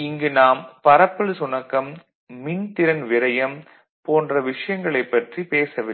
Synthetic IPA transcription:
ɪŋɡɯnaːmpɐɾɐpːɐɭsʊnɐkːɐm | mɪnt̪ɪɾɐnʋɪɾɐjɐm | poːndrɐʋɪʂɐjɐŋɡɐɭɐɪpːɐʈripeːsɐʋɪ

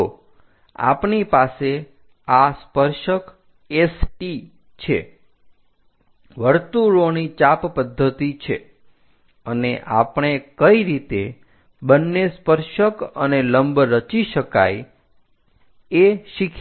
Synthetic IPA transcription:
o | a̰pnipase | aspəɾʃək | esʈi | t͡ʃʰḛ | ʋəɾt̪uɾonit͡ʃappəd̪ʱːət̪it͡ʃʰḛ | əneʔapɳ̃ekəiɾit̪e | bənːespəɾʃəkəneləmbɾət͡ʃiʃəka̰j | eʃikʰ

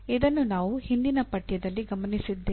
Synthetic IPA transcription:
id̪ɐnːunaːʋuhind̪inɐpɐʈjɐd̪ɐlːiɡɐmɐnisid̪ːeː

